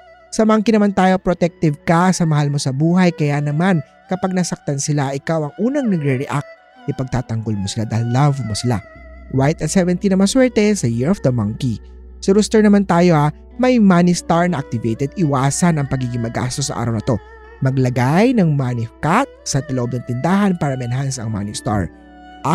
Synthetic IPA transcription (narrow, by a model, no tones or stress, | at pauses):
sɐmɐŋkinɐmant̪aːjo̞pɾot̪ɛk̚t̪ɪvkɐsɐmɐhalmo̞sɐbuːɦɐjkɐjanɐman | kɐpaɡ̚nɐsɐk̚t̪ɐnsɪlaʔɪkawɐŋʔuːnɐŋnɐɡɾɛɹɛʔak̚t̪̚ | ʔɪpɐɡ̚t̪aːt̪ɐŋɡo̞lmosɪlad̪ɐlɐvmosɪla̰wajɪt̪ɐt̪sɛvɛnt̪inɐmanswɛɹt̪ɛsɐjɪɹofd̪ɐmɐŋki | sɪɾust̪ɛɹnɐmant̪aːjo̞ʔa | mɐjmanist̪aɹnɐʔɐk̚t̪ɪvejt̪ɛd̪̚ɪwaːsɐnɐŋpɐɡiːɡɪŋmɐɡa̰st̪os̬ːɐ̰ʔa̰ːɾɐwnɐt̪o̞ | mɐɡlɐɡajnɐŋmanɪkat̪̚sɐd̪ɐloʔob̚nɐŋt̪ɪnd̪aːɦɐnpaːɾɐmɛnɦansɐ̰ŋma̰nist̪a̰ɹ | ʔa